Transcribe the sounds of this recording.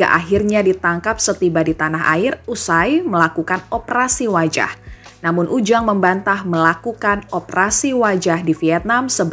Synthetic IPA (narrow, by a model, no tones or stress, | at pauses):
ka̰ʔaɦɪrɲadit̪aŋkap̚sət̪ibadit̪anaɦa̰ɪrusajməlakukanɔpəɾasiwad͡ʒa̰h | namʊnʔud͡ʒaŋməmbant̪ahməlakukanɔpəɾasiwad͡ʒahdifiɛt̪̚namsəb